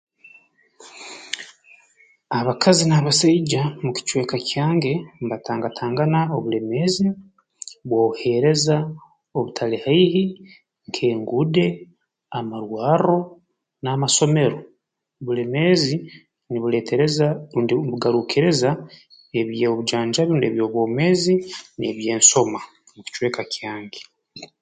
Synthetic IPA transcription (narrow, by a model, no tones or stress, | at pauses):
aβakʰazinaβasaiɟamuci̥t͡ʃwe̞ːkacjaːŋɡe̞mbatʰaːŋɡatʰaːŋɡanaoβule̞me̞zi | βwouhe̞ɾe̞za | oβutʰalehaihi | ŋkʰe̞ːŋɡude̞ | amaɾwaːɾo̞ | namaso̞me̞ɾo̞ | βule̞mezi | niβuleteɾezaibuɡaɾukeɾe̞za | eβjeβud͡ʒaːɲd͡ʒaβuːndieβjoːβwoːmezineβje̞ːnso̞ma | muku̥t͡ʃwe̞ːkakjaːŋɡe